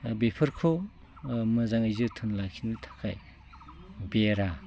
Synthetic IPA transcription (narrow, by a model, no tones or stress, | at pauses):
bepʰɯɾkʰo | mɯzaŋajzɯtʰɯnlakʰinɯtʰḁkʰaj | beɾa